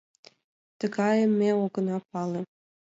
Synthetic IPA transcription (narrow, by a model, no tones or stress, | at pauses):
t̪ə̆ɡɑjə̆mːeoɡə̆nɑpɑle